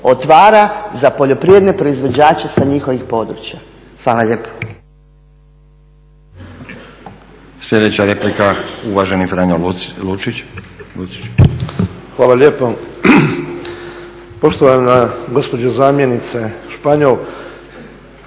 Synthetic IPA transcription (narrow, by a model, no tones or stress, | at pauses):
ot̪ʋaːɾazapo̞ʎo̞pɾijed̪nepɾo̞izʋo̞d͡ʑaːt͡ʃesaɲixʋixpo̞d̪ɾut͡ʃja | xʋaːlalʎeːpo̥ | sʎʲe̞d̪et͡ɕaɾe̞plikauʋaʒenifɾaɲoluilut͡ʃi̥t͡ʃ | xʋaːlaleːpo | poʃt̪oʋamaɡospod͡ʒozaːmjenit̪seʃpaɲolˠ